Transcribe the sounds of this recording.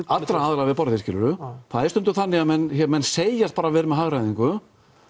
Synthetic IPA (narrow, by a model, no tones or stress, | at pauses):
at̪ːɾaaːðɾavɪpɔɾðɪscɪːlʏɾʏθʰaːðest̪ʏmnt̪ʏθanːɪɣaðmɛnːçɛmɛnːseːjast̪̚paːɾavɛːɾɪmɛðɦaɣɾajðiŋkʏ